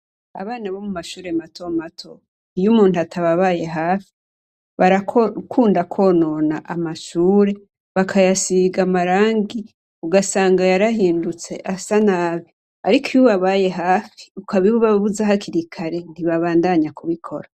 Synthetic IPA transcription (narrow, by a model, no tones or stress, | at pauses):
a̰βaːnaβo̞mumaʃuːɾematʰo̞matʰo̞ | ijumuːntuatʰaβaβaje̞ɦaːfi̥ | βaɾakʰkʰuːndakʰo̞no̞na̰ʔamaʃuːɾe̞ | βakʰajasiɡamaɾaːŋɡi | uɡasaːŋɡajaɾaɦiːndut͡se̞̰ʔasanaːβi | aɾikʰijuβaβaje̞ɦaːfi̥ukʰaβiβuβaβuzaɦakiɾikʰaɾe̞niβaβaːndaɲakʰuβikʰo̞̰ɾa